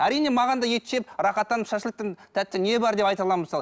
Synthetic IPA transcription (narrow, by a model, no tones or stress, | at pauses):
æɾijne̞mɑʁɑnd̪ɑje̞t̪ʃep̚ɾɑχɑt̪ːɑnəpʃɑʃəlˠək̚t̪ɪŋt̪ʰæt̪ːɪne̞bɑɾd̪e̞pɑjt̪ɑlˠɑmməsɑlˠə